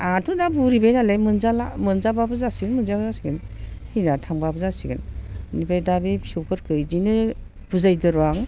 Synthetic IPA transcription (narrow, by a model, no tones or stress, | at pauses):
atʰudabuɾibajnalemɯnzalamɯnzababɯzasiɡɯnmɯnzabzasiɡɯnhinatʰaŋbabɯzasiɡɯnnibajdabibsuwkʰɯɾkʰɯjdinɯ | b̥uzajdɯɾaŋ